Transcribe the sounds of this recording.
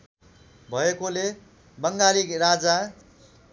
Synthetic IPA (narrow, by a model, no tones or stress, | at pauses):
bʱʌekole | bʌŋɡalikrad͡za